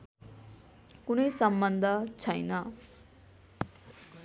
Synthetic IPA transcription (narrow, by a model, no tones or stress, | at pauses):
kunejsʌmbʌnd̪ʱət͡sʰʌjnʌ